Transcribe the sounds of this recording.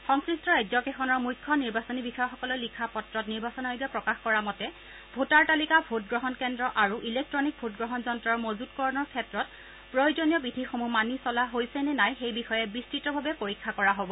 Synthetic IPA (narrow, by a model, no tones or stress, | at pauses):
xɔŋkɹistɹɔɛɡzɔkexɔnɔɹmujkʰːɔniɹbasɔnibixɔjɔxɔkɔlɔlikʰapɔtɹɔtniɹbasɔnaɦojbapɹɔkaxkɔɹamɔtɛ | bʱotaɹtalikabʱot̚ɡɹɔɦɔnkɛndɹɔʔaɹuʔilek̚tɹɔnik̚bʱot̚ɡɹɔɦɔnzɔntɹɔɹmozutkɔɹɔnɔɹkʰɛtɹɔt | pɹɔjzɔnijɔbidʱixomumanisɔlaɦojsɛnɛnajxejbixɔjɛbistɹitɔbʱabɛpoɹikʰːakɔɹaɦobɔ